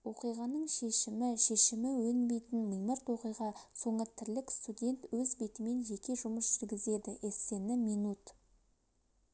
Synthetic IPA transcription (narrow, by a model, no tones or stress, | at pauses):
wo̞qijʁɑnəɴʃe̞ʃɪmɪʃe̞ʃɪmɪwɵnbe̞jt̪ɪnməjməɾt̪wo̞qijʁɑso̞ɴət̪ʰɪɾlɪkst̪udʲe̞nt̪wɵzbe̞t̪ɪme̞nʒe̞kʲe̞ʒʊməsʒ̥ʏɾɡʲɪze̞d̪ɪʔese̞nɪminut̪